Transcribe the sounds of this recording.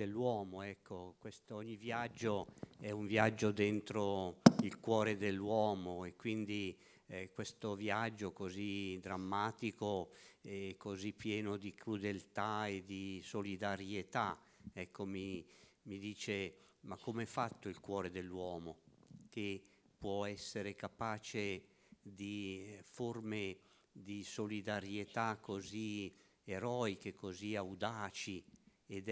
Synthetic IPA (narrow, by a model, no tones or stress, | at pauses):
elːwɔːmoɛkːokwest̪oɲːivjad͡ʒːoɛuɱvjad͡ʒːod̪ent̪ɾoilkwɔːɾed̪elːwɔːmoekːwind̪i | ɛkwest̪ovjad͡ʒːokozid̪ɾamːaːt̪ikoɛkːozipːjɛːnod̪ikʰɾud̪elt̪aed̪isolid̪aɾjet̪a | ɛkʰːomimid̪iːt͡ʃe | makːomeɛfat̪ːoilkwɔːɾed̪elːwɔːmokepwɔɛsːeɾekapaːt͡ʃe | d̪iforme | d̪isolid̪aɾjet̪akːozi | eɾɔːikekoziawd̪aːt͡ʃi | ed̪